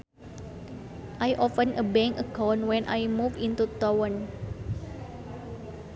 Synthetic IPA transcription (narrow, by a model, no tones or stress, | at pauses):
ʔajʔɔfə̃nəbɛ̃ŋəkɔ̃wnwɛ̃nʔa̰jmuvĩnt̪ut̪ɔwə̃n